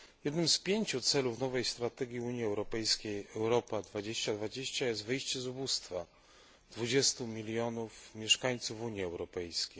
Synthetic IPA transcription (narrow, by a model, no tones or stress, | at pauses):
jɛd̪nɘmspʲjeɲt͡ɕut̪sɛlufnɔvɛjst̪ɾat̪ɛɡʲjiuɲjiɛwɾɔpɛjskʲejɛwɾɔpad̪vad͡ʑeɕt͡ɕad̪vad͡ʑeɕt͡ɕajɛst̪vɘjɕt͡ɕɛzubust̪fa | d̪vud͡ʑɛst̪umʲilʲjɔnufmʲjɛʂkaɲt̪sufuɲjiɛwɾɔpɛjskʲej